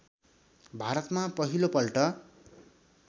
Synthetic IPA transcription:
bʱaɾʌt̪mapʌɦilopʌlʈʌ

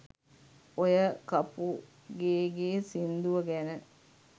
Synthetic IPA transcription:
ojəkapu | ɡeːɡeːsind̪uʋəɡænə

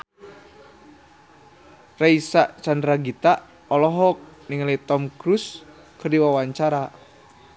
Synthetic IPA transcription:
raisaʔt͡ʃandɾaɡit̪aʔ | ɔlɔɦɔk̚niŋlit̪ɔmkɾus | kɨrdiwawaɲt͡ʃaɾa

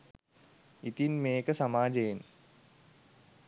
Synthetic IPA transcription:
it̪inmeːkəsamaːd͡ʒejen

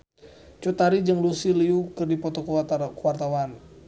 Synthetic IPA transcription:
t͡ʃut̪aɾid͡ʒəŋlusiliukɨrdipɔt̪ɔkkwart̪awan

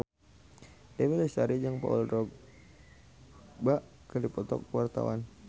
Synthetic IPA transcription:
dewilɛsaɾid͡ʒaŋpa̰ṵlrɔɡ | baʔkədipɔt̪ɔ̰kːəwart̪a̰wa̰n

